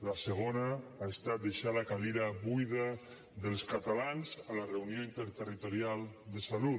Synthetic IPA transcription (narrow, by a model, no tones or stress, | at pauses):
laseɣ̞onaaest̪at̪̚d̪eʃalakaliɾaβujða | ðelˠskat̪alanzalareunjoint̪eɾt̪erit̪oɾjalˠd̪esalu